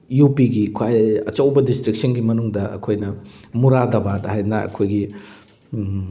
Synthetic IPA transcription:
jupiɡikʰwajɐ̰t͡ʃɐwbɐdistɾik̚sɐnɡimɐnuŋdɐɐ̰kʰojnɐmuɾadɐbathajnɐɐ̰kʰojɡi

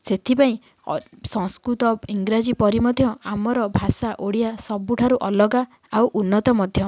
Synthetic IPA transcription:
set̪ʰipaĩ | sɔŋskɾut̪ɔiŋɡɾad͡ʒipɔɾimɔd̪ʱjɔamɔɾɔbʱasaʔoɽiasɔbuʈʰaɾuʔɔlɔɡa | awʔunːɔt̪ɔmɔd̪ʱjɔ

